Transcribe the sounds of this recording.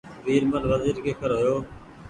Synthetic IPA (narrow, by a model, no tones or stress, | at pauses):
ʋiːɾmənʋəziːɾkeːkʰəɾɦojoː